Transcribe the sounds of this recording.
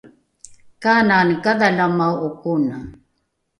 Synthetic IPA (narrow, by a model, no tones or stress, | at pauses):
kaːnankaðalamawukuna